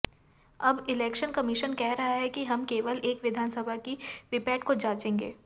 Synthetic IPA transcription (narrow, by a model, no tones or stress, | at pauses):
ɐbɪlɛːkʃənkɐmɪʃənkɛɦɾɐɦaɦɛkiɦɐmkeːʋəleːkʋɪd̪ʱaːnsəbʱakiʋɪpɛːʈkod͡ʒaːt͡ʃẽːŋɡḛː